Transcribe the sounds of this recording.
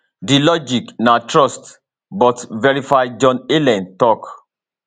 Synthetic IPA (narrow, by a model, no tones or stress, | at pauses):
dilɔd͡ʒiknatʰɹɔst | bɔtvɛɹifajd͡ʒɔ̃nelɛ̃ntɔk